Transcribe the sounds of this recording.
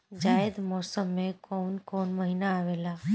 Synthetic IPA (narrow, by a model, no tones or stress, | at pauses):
d͡ʒaed̪mɔsəmːekonkonməɦinaːʋela